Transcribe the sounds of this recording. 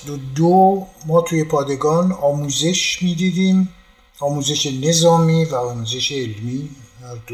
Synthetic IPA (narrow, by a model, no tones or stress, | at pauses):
d̪od̪omɒːt̪ʰuːje̞pʰɒːd̪e̞ɡɒːnɒːmuːze̞ʃmiːd̪iːd̪iːm | ɒːmuːze̞ʃene̞zɒːmiːvæɒːmuːze̞ʃeːlmiːæzd̪